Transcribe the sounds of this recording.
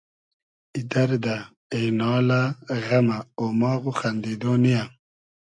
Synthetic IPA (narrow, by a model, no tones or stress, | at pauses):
id̪ɐɾd̪a | ejnɑːlaɣɐmaomɑːɣuxand̪id̪oːnija